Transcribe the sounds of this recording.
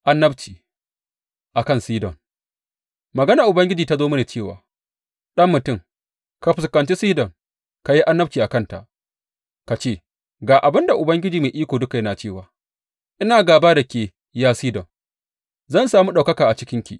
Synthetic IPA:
ʔa˦nːɐ˦bt͡ʃiː˨ | ʔa˨kɐ˦nsiː˦dɔ˨ŋ | mɐ˨ɡɐ˦na˨ʔʊ˨bɐ˦ŋɡʲɪ˦d͡ʒiː˨ta˦zoː˦mɐ˦neː˨t͡ʃeː˦˨wa̰ː˨ | ɗɐ˦mːʊ˨tʊ˦˨ŋ | ka˨ɸɪ˨skɐ˨nt͡ʃi˦siː˦dɔ˨ŋ | ka˨ji˦ʔa˦nːɐ˦b̚t͡ʃiː˨ʔa˨kɐ˦˨nta̰˨ʔ | ka˨t͡ʃeː˦˨ | ɡaː˨ʔa˨bɪ˦nda˨ʔʊ˨bɐ˦ŋɡʲɪ˦d͡ʒiː˨meː˨ʔiː˦kʷoː˨dʊ˦ka˨jɐ˦naː˨t͡ʃeː˦˨waː˨ | ʔɪ˦naː˨ɡaː˨baː˦da˨kʲeː˨ | jaː˦siː˦dɔ˨ŋ | zɐ˦˨nsaː˨muː˦ɗa˨wkɐ˦kaː˨ʔa˨t͡ʃɪ˦kʲɪ˦ŋkʲḭ˨ʔ

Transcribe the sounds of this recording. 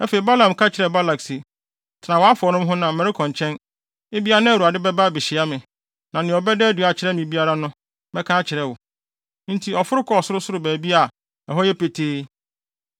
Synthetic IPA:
æ˦fe˨i˨ba˦lã˨mkʰa˦t͡ɕʰɪ˨ɾɛ˨ba˦la˨ksi˨ | tʰɪ˨nã˨wɔ˨˦a˦fʊ˨ɔ˨nʊ̃˦mɦʊ̃˦nã˨mɛ˨ɾɪ˦kʰɔ̃˨ɲ˨t͡ɕʰɛ̃˦n | e˦bi˦a˦a˦nã˦˨u˨a˨dɪ˦bɛ˦ba˦˨bɪ˨ɕɪ˨a˦mɪ̃˨ | nã˨nɪ̃˨ɔ˨bɛ˦dɛ˦æ˦du˨a˨t͡ɕʰɪ˨ɾɛ˦mɪ̃˨bi˦a˦ɾa˦nʊ̃˦ | bɛ˦kʰa˦t͡ɕʰɪ˨ɾɛ˦wʊ˨ | n̩˦tʰi˨ɔ˨fʊ˦ɾʊ˦kʰɔ˦ɔ˨sʊ˦ɾʊ˦sʊ˦ɾʊ˦bæː˨bi˦a˨ | ɛ˨ɦɔ˦jɛ˦pe˨tʰeː˦

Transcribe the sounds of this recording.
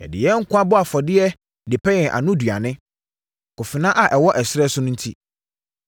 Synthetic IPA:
ɛ̰˨dɪ̰˨jɛ˦ŋ̩˦kʰʷʊ̃˦a˦bʊ˦a˨fɔ˨dɪ˦ɛ˦ | dɪ˨pʰɛ˦jɛ˨ʔa̰˨nʊ̃˦du˨a˨nɪ̃˦ | kʊ˨fɪ˨nã˦ʔa˨ʔɛ˨wɔ˦ʔɛ˨sɪ˦ɾɛ˦sʊ˦nʊ̃˦n̩˦tʰi˦

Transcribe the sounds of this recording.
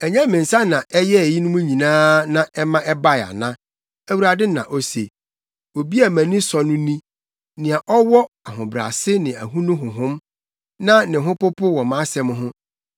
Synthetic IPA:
ɛ˨ɲã˦mɪ̃˨n̩˨sa˦nã˨ʔɛ˦jɛ˦˨ji˦nʊ̃˦mũ˦ɲĩ˨nãː˦nã˨ɛ˦mã˦ʔɛ˦ba˦˨a̰˨nã˦ | æ˦˨wu˨ɾa˨dɪ˦nã˨ʔɔ˦se˨ | o˨bi˦a˨mæ̃˨nɪ̃˦sɔ˨nʊ̃˦nĩ˦ | nɪ̃˨a˨ʔɔ˦wɔ˦ | a˨ɦʊ̃˨bɾa̰˨sɪ˦nɪ̃˨æ̰˨ɦũ˦nʊ̃˦ɦʊ̃˨ɦʊ̃˦m | nã˦nɪ̃˨ɦʊ̃˦pʊ˦pʰʊ˦wɔ˨mã˦sɛ˦m˦ɦʊ̃˦

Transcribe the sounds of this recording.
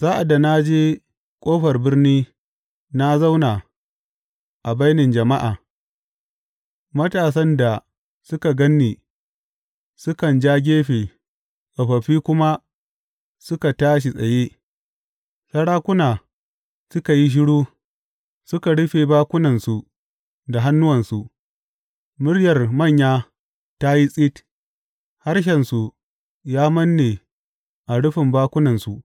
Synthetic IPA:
zaː˦ʔa˨da˨na˦d͡ʒeː˦ | kʷʼoː˦ɸɐ˨rbɪ˦rniː˦ | na˦za˦wna˨ | ʔa˨ba˦jnɪ˨nd͡ʒɐ˨ma˦ʔaː˨ | mɐ˦taː˨s̬ɐ˦nda˨ | sʊ˦ka˨ɡɐ˦nːiː˨ | sʊ˦kɐ˨nd͡ʒaː˦ɡʲeː˦ɸe˨ | ʔa˨ɸɐ˨ɸiː˦kʷʊ˦ma˦ | sʊ˦ka˨taː˦ʃ̬i˨sʼɐ˨jeː˦ | sɐ˦ɽaː˦kʷʊ˦naː˨ | sʊ˦ka˨ji˦ʃ̬ɪ˦ɽuː˦ | sʊ˦ka˨ɽʊ˦ɸeː˨baː˦kʷʊ˦nɐ˨nsu˨ | da˨ɦa˦nːʊ˦wɐ˨nsu˨ʔ | mʊ˦rjɐ˨rmɐ˦˨ɲjaː˦ | ta˦ji˦sʼi˦t | ha˦rʃ̬ɛ˨nsu˨ | jaː˦mɐ˦nːe˨ | ʔa˨ɽʊ˦ɸɪ˨mbaː˦kʷʊ˦nɐ˨nsu˨

